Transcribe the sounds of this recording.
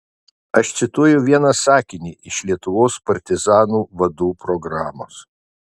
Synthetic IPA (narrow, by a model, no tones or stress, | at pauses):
ɐʃt̪sʲɪt̪uɔjʊʋʲiɛnɐsɑːkʲɪnʲiːʔɪʃlʲiɛt̪ʊʋoːspɐɾʲt̪ʲɪzɑːnuːʋɐd̪uːpɾɔɡɾɑːmo̰ːs